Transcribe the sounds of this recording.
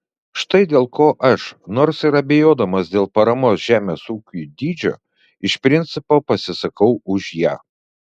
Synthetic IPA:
ʃt̪ɐɪd̪ʲeːlˠkoːʔɐʃnoːɾsɪɾɐbʲejoːd̪ɐmɐsd̪ʲeːlˠpɐɾɐmoːsʒ̥ʲæːmʲeːsuːkʲuːd̪ʲiːd͡ʒʲo̰ː | ɪʃpʲɾʲɪnʲt̪sʲɪpoːpɐsʲɪsɐkɐʊʊʃjæː

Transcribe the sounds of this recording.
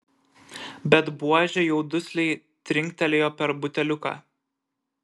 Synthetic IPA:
bʲɛt̪buɔʒʲɛjɛʊd̪ʊsʲlʲɛɪ | t̪ʲɾʲɪŋʲkʲt̪ʲɛlʲeːjoːpʲɛɾbʊt̪ʲɛlʲʊka̰ː

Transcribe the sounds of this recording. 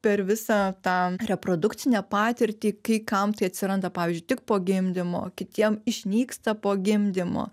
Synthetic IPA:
pʲɛɾʋʲɪsɑːt̪ɑːɾʲɛpɾoːd̪ʊkt̪t͡ssʲɪnʲɛpɑːt̪ʲɪɾʲt̪ʲiːkɐɪkɐmt̪ɐɪɐt̪ʲsʲɪɾɐnd̪ɐpɑːʋʲiːzʲd͡ʒʲʊɪt̪ʲɪk̚poːɡʲɪmʲd̪ʲɪmo̰ːkʲɪt̪ʲiɛmɪʃʲnʲiːkst̪ɐpoːɡʲɪmʲd̪ʲɪmo̰ː

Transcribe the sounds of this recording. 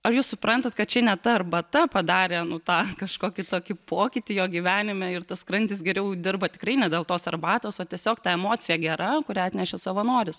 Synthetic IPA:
ɐɾjuːssʊpɾɐnt̪ɐt̪kɐt̪̚t͡ʃʲɛnʲɛt̪ɐɐrbɐt̪ɐpɐd̪ɑːɾʲeːnʊt̪ɑːkɐʃkoːkʲɪt̪oːkʲɪpoːkʲɪt̪ʲɪjoːɡʲiːʋʲæːnʲɪmʲɛɪrt̪ɐskrɐnʲt̪ʲɪsɡʲɛɾʲɛʊd̪ʲɪrbɐt̪ʲɪ̥krɐɪnʲɛd̪ʲeːlˠt̪oːsɐrbɑːt̪oːsoːt̪ʲiɛsʲoːkt̪ɑɛmoːt͡sʲɪjɛɡʲɛɾɐkʊɾʲæːɐt̪ʲnʲɛʃʲɛsɐʋɐnoːɾʲɪs

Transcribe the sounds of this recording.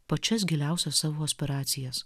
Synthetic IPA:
pɐt͡ʃʲɛs̬ɡʲɛlʲæˑʊsʲɛsːɑːʋoːosʲpʲɛɾɑːt̪sʲɪjɛs

